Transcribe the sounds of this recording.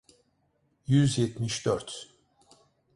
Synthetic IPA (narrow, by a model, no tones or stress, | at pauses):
jyzjɛt̪miʃd̪øɾt̪